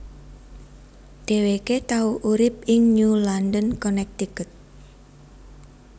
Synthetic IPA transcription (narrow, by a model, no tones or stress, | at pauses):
ɖ̪̥eweket̪auʔuɾɪp̚ɪŋnulandənkɔnɛk̚t̪ikət̪̚